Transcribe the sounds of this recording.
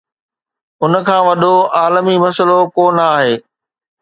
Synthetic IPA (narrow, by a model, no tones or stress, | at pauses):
ʊnə̆kʰãːʋɐɗoʔaːlmimɐsəlokoːnaːɦeː